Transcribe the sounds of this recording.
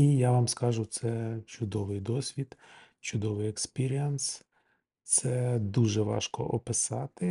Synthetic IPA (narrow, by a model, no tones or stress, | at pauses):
ijaʋɑmskɑʒʊt̪sɛt͡ʃʊd̪ɔʋɪjd̪ɔsʲʋʲid̪ | t͡ʃʊd̪ɔʋɪjɛkspʲiɾʲiɛns | t̪sɛd̪uʒɛʋɑ̰ʃkɔ̰ʔɔpɪsɑt̪ɪ